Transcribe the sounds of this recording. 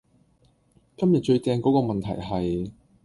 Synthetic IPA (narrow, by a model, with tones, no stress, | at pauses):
kɐ˥mjɐ˨t̚t͡ʃɵ˧ɥt̪ɛː˧ŋkɔː˨˥kɔː˧mɐ˨nt̪ʰɐ̰˨˩jɦɐ˨j